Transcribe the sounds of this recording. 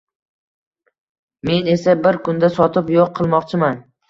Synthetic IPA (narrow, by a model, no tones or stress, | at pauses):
me̞ne̞sabɪɾkʊnd̪asɒt̪ʰɪpjoqʰːɨlˠmɒqt͡ʃʰɪman